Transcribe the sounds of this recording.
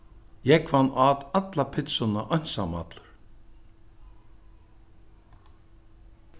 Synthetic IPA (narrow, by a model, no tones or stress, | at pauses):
jɛkvanːʔaːt̪at̪lapʰɪt̪sʊnaʔɔjn̥sama̰t̪lʏɾ̥